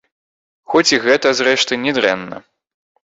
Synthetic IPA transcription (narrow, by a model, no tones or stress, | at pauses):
xɔt͡sʲiɣɛt̪ɐzrɛʂt̪ɨnʲɛd̪ɾɛ̰nːɐ̰